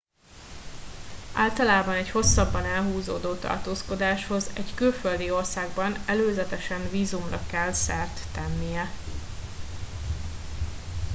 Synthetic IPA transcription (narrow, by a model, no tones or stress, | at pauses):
ʔaːlt̪ɒlaːbɒnɛcho̞sːɒbːɒnɛlɦuːzoːd̪oːt̪ɒ̰rt̪oːsko̞d̪aːʃho̞zɛɟkylføld̪io̞rsaːɡbɒnɛløːzɛt̪ɛʃɛnviːzumrɒkɛlsɛrt̪ːɛnːijɛ